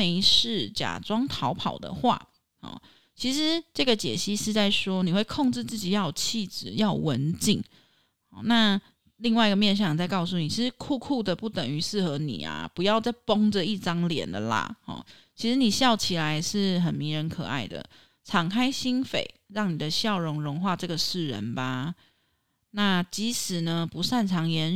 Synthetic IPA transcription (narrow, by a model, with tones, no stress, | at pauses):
me˧˥ɪʂɻ̩˥˩t͡ɕja̰˨˩ʈ͡ʂwɑ˥ŋt̪ʰɑ˧˥ʊpʰɑ˨˩ʊd̪ə̰˨xwa̰˥˩ | hɔ̰˨˩ | t͡ɕʰi˧˥ʂɻ̩˧˦ʈ͡ʂɤ˥˩ɡə˩t͡ɕjɛ̰˨˩ɕi˥ʂɻ̩˥˧t͡sa˥˩ɪʂwɔ˥ni˨˩xwe˥˧ɪkʰɔ˥˧ŋʈ͡ʂɻ̩˥˧t͡sɹ̩˥˩t͡ɕi˨˩jɑ˥˩ʊt͡ɕʰi˥˩t͡sɹ̩˨˩jɑ˥˩ʊwə˧˦nt͡ɕi˥˩ŋ | xɔ˨˩na˥˧ | li˥˧ŋwa˥˩ɪi˧ɡə˨mjɛ˥˧nɕ̬jɑ˥˩ŋ˨˩t͡sa˥˧ɪkɑ˥˧ʊsu˥˩ni˨˩t͡ɕʰi˧˥ʂ̩˧˦kʰu˥˧kʰu˥˩d̪ə˩pu˥˩t̪ə˨˩ŋy˧˥sɹ̩˥˩xɤ˧˥nḭ˨˩a̰˩pu˧˦jɑ˥˧ʊt͡sa˥˩ɪpɔ˥ŋd͡zə˨i˥˩ʈ͡ʂɑ˥ŋljɛ̰˨˩nd̪ə̰˨la̰˩hɔ̰˨˩t͡ɕʰi˧˥ʂɻ̩˧˦ni˨˩ɕjɑ˥˩ʊt͡ɕʰi˨˩la˧˦ɪʂɻ̩˥˩xə˨˩nmi˧˥ŋɻə˧˥nkʰɤ̰˨˩a̰˥˩ɪd̪ə̰˩ | ʈ͡ʂʰɑ˨˩ŋkʰa˥ɪɕi˥nfḛ˨˩ɪɻɑ˥˩ŋni˨˩d̪ə˦ɕjɑ˥˩ʊɻʊ˧˥ŋɻʊ˧˥ŋxwa˥˧ʈ͡ʂɤ˥˩ɡə˩ʂɻ̩˥˩ɻə̰˧˦nba˨ | na˥˧t͡ɕi˧˥ʂɻ̩˨˩nə˧pu˧˥ʂa˥˩nʈ͡ʂʰɑ˧˥ŋjɛ˧˥n